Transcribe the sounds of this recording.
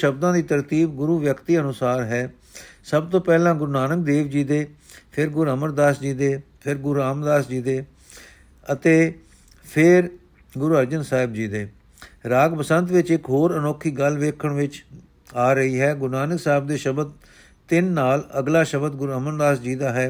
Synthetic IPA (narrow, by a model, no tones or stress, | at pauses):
ʃəb̚d̪ãːd̪iːt̪əɾt̪iːb̚ɡʊɾuːʋjəkt̪iːənʊsaːɾɦɛː | səbt̪õːpɛːlãːɡʊɾnaːnək̚d̪eːʋd͡ʒiːd̪eː | pʰɪɾɡʊɾəməɾd̪aːsd͡ʒiːd̪eː | pʰɪɾɡʊɾaːmd̪aːsd͡ʒiːd̪eː | ət̪eː | pʰɪɾ | ɡʊɾuːəɾd͡ʒənsaːɦɪb̚d͡ʒiːd̪eː | ɾaːɡpəsənt̪ʋɪt͡ʃɪkɦoːɾənoːkʰiːɡəlʋeːkʰəɳʋɪt͡ʃ | aːɾəɦiːɦɛːɡʊɾnaːnəksaːɦɪb̚d̪eːʃəbəd̪̚ | t̪ɪnːaːləɡlaːʃəbəd̪ɡʊɾəməɾd̪aːsd͡ʒiːd̪aːɦɛː